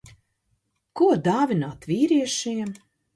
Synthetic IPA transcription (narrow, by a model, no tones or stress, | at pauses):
kuɔd̪aːvʲinaːt̪viːɾiɛʃiɛm